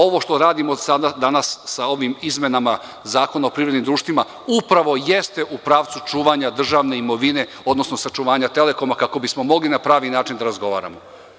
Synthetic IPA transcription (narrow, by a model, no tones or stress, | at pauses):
o̞ʋo̞ʃt̪o̞ɾaːd̪imosad̪ad̪anassao̞ʋimizme̞nama | zaːko̞naopɾiːɾed̪nimd̪ɾuːʃt̪vʋima | upɾaʋo̞je̞st̪e̞ʔupɾaːʋt̪sut͡ʃuːʋaɲad̪r̩ʒaʋne̞imo̞ʋine̞ | od̪no̞sno̞sat͡ʃuʋaːɲat̪e̞le̞ko̞makako̞bismo̞mo̞ɡlinapɾaːʋinaːt͡ʃind̪aɾazɡo̞ʋa̰ːɾa̰mo